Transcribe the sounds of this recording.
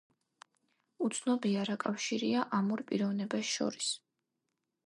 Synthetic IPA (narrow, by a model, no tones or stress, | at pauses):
ut̪sʰnɔbiaɾakʼafʃiɾiaʔamɔɾpʼḭɾɔvnɛbasʃɔ̰ɾis